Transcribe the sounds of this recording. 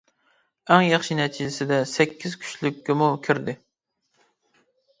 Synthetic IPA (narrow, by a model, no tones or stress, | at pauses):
æŋjɑχʃinɛt͡ʃʰisɪd̪ɛsɛkʲʰːiz̥kʲʰy̥ʃlykʲʰːɪmukʲʰyɾd̪ɪ